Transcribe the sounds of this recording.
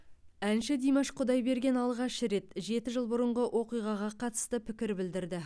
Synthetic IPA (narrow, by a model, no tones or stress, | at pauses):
ænʃɪd̪ijmɑʃqʰʊd̪ɑjbe̞ɾɡʲe̞nɑlˠʁɑʃəɾe̞t̪ʒe̞t̪ɪʒəlˠbʊɾəɴʁəwʔo̞qijʁɑʁɑqʰɑt̪ə̥st̪əpʰɪkʲɪɾbɪld̪ɪɾd̪ɪ